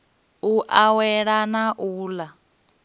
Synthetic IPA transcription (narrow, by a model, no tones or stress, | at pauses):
uʔawɛɺanaʔuːla